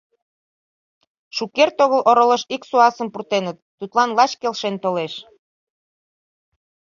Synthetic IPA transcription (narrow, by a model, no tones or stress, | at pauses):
ʃukert̪oɣəlʔoɾoləʃiksuɑsəmpurt̪enət̪ːut̪lɑnlɑt͡ɕkelʃent̪oleʃ